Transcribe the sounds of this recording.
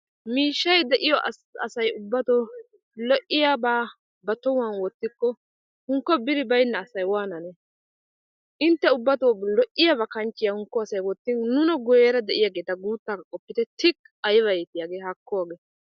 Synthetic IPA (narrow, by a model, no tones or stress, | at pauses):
miːʃːɐjd̪ɛʔɪjɔʔ | ɐ̰sɐjʊbːɐt̪ɔː | lɔʔɪjabaː | bɐt̪ːɔwaːnwɔt̪ːɪkːɔ | hʊŋkːɔbɪɾɪbɐjnːɐːsɐjwaːnɐnɛ | ʔɪnt̪ːɛʊbːɐt̪oːlɔʔɪjabɐkɐnt͡ʃːɪjahʊŋkːɔɐsɐjwɔt̪ːɪnnʊnɐɡɔjɛɾɐd̪ɛʔɪjaɡeːt̪ɐɡuːt̪ːaːkkʼɔpːɪt̪ɛt̪ɪk | ɐjβɐjɛt̪ɪjaːɡeːhɐkːɔwaːɡe